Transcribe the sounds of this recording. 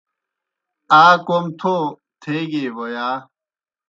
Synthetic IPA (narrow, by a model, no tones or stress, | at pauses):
aːkoːmt̪ʰo | t̪ʰeːɡeːʋojaː